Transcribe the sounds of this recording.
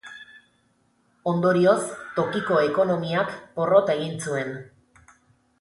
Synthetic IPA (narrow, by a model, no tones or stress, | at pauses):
o̞nd̪o̞ɾio̞st̪o̞kiko̞eko̞no̞miakpo̞rot̪e̞ɣ̞int͡sue̞n